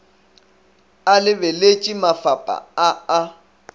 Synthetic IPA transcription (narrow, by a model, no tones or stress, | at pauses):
alɪbɛlet͡ʃʼimafapʼa̰aa